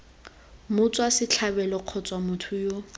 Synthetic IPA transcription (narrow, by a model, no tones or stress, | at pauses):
mʊt͡sʼwasɪt͡ɬʰabɛlɔq͡χʰɔt͡sʼwamʊtʰʊjo